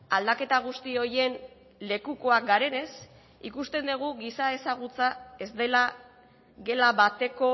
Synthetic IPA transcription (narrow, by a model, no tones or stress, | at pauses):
ald̪ake̞t̪aɣ̞ust̪io̞je̞n | le̞kuko̞ak̚ɡaɾe̞ne̞s | ikust̪e̞nd̪eɣ̞uɣisae̞saɣ̞ut͡sae̞zd̪e̞la | ɣe̞laβat̪e̞ko̞